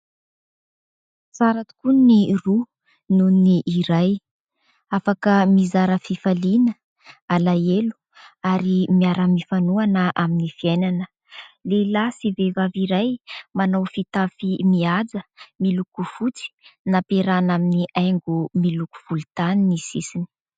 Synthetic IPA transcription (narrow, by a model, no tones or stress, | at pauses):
saɾat̪u̥kuniru | nuniniʔːɾaj | afakəmizaɾəfifalinə | alaelu̥ | aɾimiaɾəmifanuanəʔaminifiajnanə | lelasivevaviɾajmanawfit̪afimiad͡zəmilukuv̥ut͡si̥napeɾanaminiʔajŋɡumiluku̥v̥ulut̪aninisisini̥